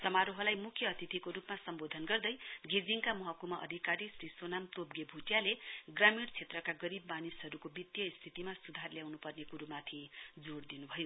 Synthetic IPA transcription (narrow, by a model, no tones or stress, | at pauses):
sʌmaɾoɦʌlajmukʰjʌːt̪it̪ʰikoɾupmasʌmbod̪ʱʌnɡʌrd̪ʌjɡid͡ziŋkamʌɦʌkumaʔʌ̰d̪ʱikaɾisrisonamt̪ob̚ɡebʱuʈjaleɡramiɽt͡sʰet̪rʌkaɡʌɾibmanisɦʌɾukobit̪jʌist̪ʰit̪imasud̪ʱarljawnupʌrnekuɾumat̪ʰid͡zoɽd̪inubʱʌjo